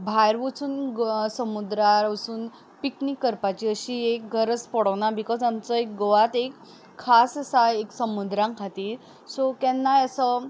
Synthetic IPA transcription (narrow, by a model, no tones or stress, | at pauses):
bʱajɾʋut͡suːnsəmud̪ɾaɾəsuːn | piknikːəɾpat͡ɕiəɕiːek̚ɡʱəɾət͡spɔɽəʋnabikɔd͡zamt͡səek̚ɡoʋat̪ekʰː | assajeksəmud̪ɾãŋkʰat̪iːɾ | sokɛnːajasə